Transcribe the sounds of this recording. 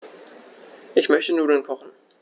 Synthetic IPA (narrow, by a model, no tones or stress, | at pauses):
ʔɪçmœçtənuːɐɾɛnkʰɔχn̩